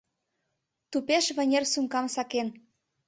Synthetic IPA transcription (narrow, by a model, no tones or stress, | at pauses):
t̪upeʃβə̆nʲersumkɑmsɑken